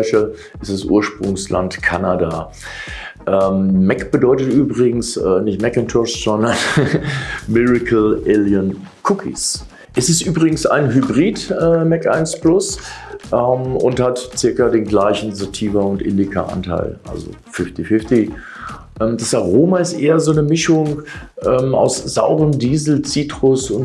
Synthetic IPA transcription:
ʃə | ɪstd̥asʔṵːɐʃpʁ̥ʊŋsla̰ntkʰanada | ʔɛmmɛkb̥ədɔʏtətʔyːbʁɪɡŋ̩sɛːnɪçtmɛkɛntʰɔsz̥ɔndɐn | mɪʁɪkʰl̩ʔeljənkʰʊkʰḭs | ʔɛsɪstʔyːbʁɪɡŋ̩sa̰ɪnɦybʁiːtʔɛːmɛkʔa̰ɪnsplʊsʔɛmʊ̰nthatt͡sɪɐkɐdeːnɡlaɪçn̩zotʰiːvɐʊntʔɪ̰ndɪkʰɐ̰ʔa̰ntʰa̰ɪlʔa̰lzo̰ | fɪftifɪfti | ʔɛːmd̥asaʁoːmaɪstʔeːɐzoːnəmɪʃʊŋʔɛːma̰ʊsz̥a̰ʊʁəmdiːzl̩t͡siːtʁ̥ʊsʊn

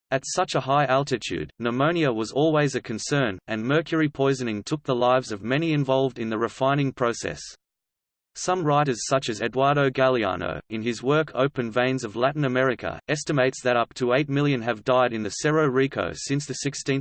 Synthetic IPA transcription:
ɨtsʌt͡ʃəɦaɪʔælˠtɨtʰʉ̰dⁿnəmõʊ̃niɨwʌzɔlˠwiɪzɨkʰɨ̃nsɜ̃˞nɨ̃nmɜ˞kʰjə˞ipʰɔɪzɨ̃nɪ̃ŋtʰʊk̚ðəlaɪvzʌvmɛñiɨ̃ɱvɑlˠvdɨ̃nðɨɹɨfãɪ̃ñɪ̃ŋpʰɹ̥oʊsɛ̰s | sʌ̃mɹaɪɾəz̥sʌt͡ʃɨzɛdwɑɹɾoʊɡælˠiɑ̰no̰ʊɨ̃nɪzwɜ˞kʰoʊpɨ̃nvẽɪ̃nzʌvlæʔn̩ɨmɛɹɨkʰə̰ɛstɨmeɪtsðɨɾʌp̚tʰəeɪt̚mɪlˠjɨ̃nɨvdaɪɾɨ̃nðɨsɛɹoʊɹikʰo̰ʊsɪ̃nsðɨsɪkstĩn

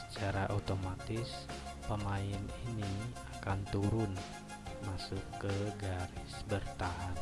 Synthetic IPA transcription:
sə̥t͡ʃaɾaʔat̪omat̪ɪspəmaɪniniakant̪uɾʊn | masukːəɡaɾɪsbərt̪aɦan

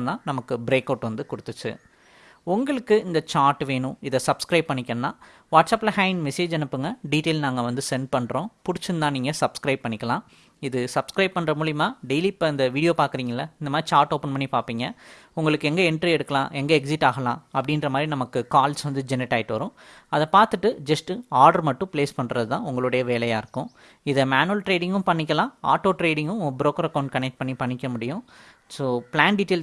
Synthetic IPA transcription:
d̪ãːnɐmɐkːɯbɪɾeːkɐʊʈʋɐnd̪ɯkʊɽɯt̪ːɯt͡ʃːɯ̰ | ʊŋɡɐɭɯkːɯɪnd̪ɐt͡ʃaːɾʈːʋeːɳʊ̃ɪðɐsɐbskɾɐɪb̚pɐɳːɪkʲːɐnnːãː | ʋaːʈsɐːpːlɐhɐɪnmɛseːd͡ʒɛnɯpːɯŋɡɐɖiːʈeːlnaːŋɡɐʋɐnd̪ɯsɛnpɐɳɾõːpʊɽɪt͡ʃːɯnd̪ãːniːŋɡɐsɐbskɾɐɪb̚pːɐɳːɪkʲːɐlãː | ɪðɯsɐbskɾɐɪb̚pːɐɳːrɐmuːɭɪjɐmaːɖɛɪlipːɐɪnd̪ɐʋiːɽɪjoːpaːɾkɯɾiːŋɡɐɪlːɐɪnd̪ɐmaːd̪ɾit͡ʃaːɾʈoːpːɐnpɐɳːipaːɾpiːŋɡɐ | ʊŋɡɐɭɯkːɯɛŋɡɐɪɳʈɾiɛɽɯkːɐlãːʔɛŋɡɐɛksɪʈːaːɣɐlã̰ːɐpːɐɽɪnɾɐmaːd̪ɾinɐmɐkːɯkaːlsʋɐnd̪ɯd͡ʒɛnɪʈːaːjɪʈːɯʋɐɾʊ̃ | ɐðɐpaːɾt̪ɯʈːɯd͡ʒɐsʈɯaːɾɖɐɾmɐʈːʊ̃pleːspɐɳːɾɐðɯt̪ãːʊŋɡɐɭɯɽɐjɐʋeːlɐjaːɪɾɯkːʊ̃ | ɪðɐmaːnulʈɾeːɽɪŋɡɯ̃mpɐɳːɪkʲːɐlãːa̰ːʈːoːʈɾeːɽɪŋɡʊ̃bɪɾoːkɐɾɐkɐʊɳɖ̚kɐnɛk̚ʈ̚pɐɳːipɐɳːɪkʲːɐmʊɽɪjʊ̃ | soːpɪlaːnɖiːʈeːl

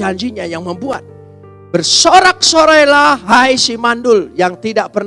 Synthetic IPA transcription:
aɲd͡ʒiɲajaŋməmbua̰t̪̚ | bərsoɾak̚soɾajlaɦajsimandʊljaŋt̪idaʔpər

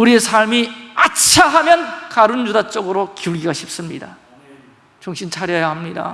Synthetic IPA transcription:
uɾiesʰaɭmiat͡ɕʰaɦamjʌnkaɾunjudat͡ɕ͈ʌɡɯɾokiuɭɡiɡaɕʰip̚s͈ɯmɲida̰ | t͡ɕuŋɕʰint͡ɕʰaɾjʌjahamɲida̰

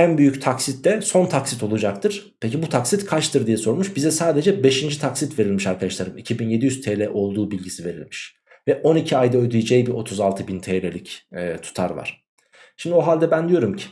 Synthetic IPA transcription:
ænbyjyct̪ʰaksit̪ːɛso̞nt̪ʰaksit̪ʰo̞lˠud͡ʒakt̪ʰɯɾ̥pʰecibut̪ʰaksit̪kʰat͡ʃt̪ʰɯɾd̪ijɛso̞ɾmuʃbizɛsaːd̪e̞d͡ʒɛbe̞ʃind͡ʒit̪ʰaksit̪ve̞ɾilʲmiʃaɾkʰad̪aʃlˠaɾɯmicʰibinje̞d̪ijyz̥t̪ʰeːlʲɛʔo̞lˠd̪uːbilʲɟisive̞ɾḭlʲmiʃ | vɛʔo̞nicʰiajd̪aød̪yjid͡ʒɛjbiʔo̞t̪ʰuzalˠt̪ʰɯbint̪ʰelelʲicːt̪ʰu̥t̪ʰaɾva̰ɾ̥ | ʃimd̪io̞ɦalʲd̪ɛbænd̪ijo̞ɾumcʰi̥

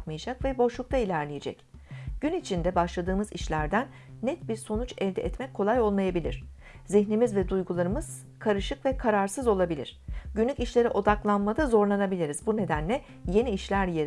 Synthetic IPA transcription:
t̪majad͡ʒakvɛbo̞ʃlˠuk̚t̪ʰailʲæɾlʲijed͡ʒɛ̰cɟ̥ynit͡ʃʰind̪ɛbaʃlˠad̪ɯːmɯzḭʃlʲæɾd̪ænː | ɛt̪biɾso̞nut͡ʃɛvd̪ɛ̰ɛt̪mɛc̚ʰːo̞lˠajo̞lˠmajabilʲḭɾ̝̥ | ziçnimizvɛd̪ujɡulˠaɾɯmɯz̥ | kʰaɾɯʃɯkvɛkʰaɾaɾsɯzo̞lˠabilʲḭɾ̝̥ɟynlʲyciʃlʲe̞ɾiʔo̞d̪aklˠanmad̪azo̞ɾlˠanabilʲiɾizbune̞d̪ænlʲɛ | je̞niːʃlʲæɾjeɾ

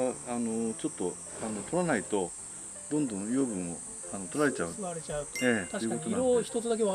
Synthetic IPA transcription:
ano̞t͡ɕo̞t̪ːo̞ | ano̞t̪ʰo̞ɾanait̪o̞ | d̪õ̞nd̪õ̞joːbɯ̟̃ɰ̃o̞̰ | ano̞t̪oɾaɾe̞t͡ɕaɯaɾet͡ɕaɯeaoiɯ̟koonaɾoçi̥t̪ot̪od̪ak̬eβa

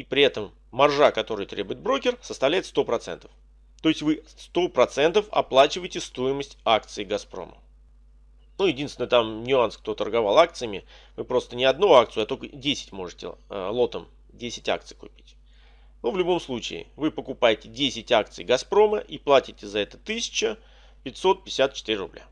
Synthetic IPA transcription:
ipɾʲɪɛt̪əmː | ɐrʐakɐt̪o̞ɾɨjət̪ɾʲe̞bʊjɪt̪̚bɾo̞kʲɪrsəst̪ɐvlʲæjɪt̪st̪o̞pɾɐt̪sɛ̰nt̪ə̥f | t̪o̞ɪsʲtʲvɨ | st̪o̞pɾɐt̪sɛnt̪əfɐ̰plˠat͡ɕɪvəjtʲɪst̪o̞jɪməsʲtʲak̚t̪sɨɪɡɐspɾo̰mə̰ | nujɪdʲinsvʲɪnət̪amnʲʊansk̚t̪o̞t̪ərɡɐvalˠak̚t̪sɨjəmʲɪ | vɨpɾo̞st̪ənʲɪɐd̪nuakt̪sɨjʊɐt̪o̞kədʲesʲɪ̥tʲmo̞ʐɨtʲɪ̰lˠo̞t̪əm | dʲesʲɪ̥tʲa̰k̚t̪sɨ̥jkʊpʲi̥tʲ | nuvlʲʊbo̞mslˠut͡ɕɪɪ̰vɨpəkʊpajɪtʲɪdʲesʲɪtʲakt̪sɨ̰jɡɐspɾo̞məʔiplˠatʲɪtʲɪzɐɛt̪ə̥t̪ɨsʲɪ̥t͡ɕə | pʲɪtʲso̞t̪̚pʲɪsʲat̪̚t͡ɕɪ̥t̪iɾʲɪrʊblʲa̰

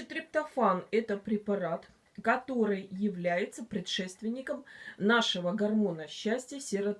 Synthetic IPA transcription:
t̪ɾʲɪpt̪ɐfanɛt̪əpɾʲɪpɐɾat̪ | kɐt̪o̞ɾɨjjɪvlʲæjɪt̪səpɾʲɪt̪ʂɛst̪vʲɪnʲːɪkəmnaʂɨvəɡɐrmo̞nəɕːæsʲtʲjəsʲɪrɐ

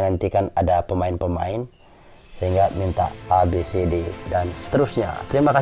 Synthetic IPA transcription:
nant̪ikanadapəmaɪnpəma̰ɪn | səɦiŋɡamint̪a̰ːbesededansə̥t̪əɾʊsɲa̰t̪əɾimaka

